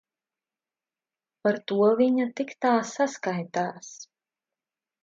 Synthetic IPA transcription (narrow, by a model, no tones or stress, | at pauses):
paɾt̪uɔviɲat̪ikt̪aːsaskajt̪aːs